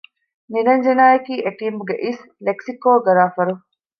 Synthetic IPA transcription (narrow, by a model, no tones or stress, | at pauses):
niɾɐɲd͡ʒenaːjɐkiːʔeʈiːmuɡeʔis | leksikoːɡɐɾaːfɐɾu